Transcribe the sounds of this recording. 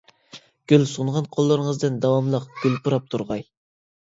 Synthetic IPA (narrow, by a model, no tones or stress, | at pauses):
ɡ̥ʲølsuɴʁɑnqʰolˠːəɾɨŋəzd̪ɨnd̪ɑwɑmlˠəqɡ̥ʲylpuɾɑp̚t̪ʰuɾʁɑj